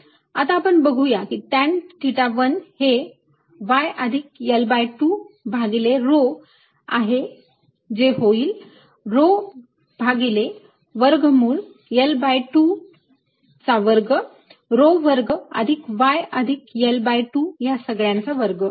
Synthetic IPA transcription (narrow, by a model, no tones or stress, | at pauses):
at̪aːpəɳbəɡʱujakit̪ant̪iʈaʋənhe | ʋajəd̪ʱik̚jelbajʈubʱaɡileɾo | aɦe | d͡zeɦoiːl | ɾo | bʱaɡile | ʋəɾɡmuːɭ | jelbajʈu | t͡saʋəɾɡə | ɾoʋəɾɡə̰d̪ʱikʋajəd̪ʱikjelbajʈujasəɡɭjãnt͡saʋəɾɡə